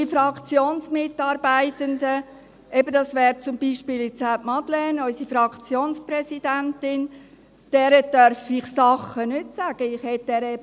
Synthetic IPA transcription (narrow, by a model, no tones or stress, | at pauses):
ifɾɑkt͡sjoːnsmɪtːɑːɾbæɪtəndə | ʔɛbəd̥ɑsʋɛːɾt͡sʊmbiːʃpiːlɪt͡sapmɑd̪lɛnɔʏsifɾɑkt͡sjoːnspɾɛsid̥ænt̪ɪn | d̥ɛːɾədœɾfɪχsɑχənʏtsæɡ̥əɪχhɛt̚dɛːɾɛ